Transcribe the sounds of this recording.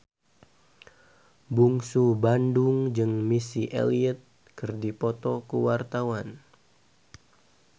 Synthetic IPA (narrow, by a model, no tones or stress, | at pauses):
buŋsubanduŋd͡ʒɨŋmisiʔḛliət̪̚ | kɨrdipɔt̪ɔkuwart̪awan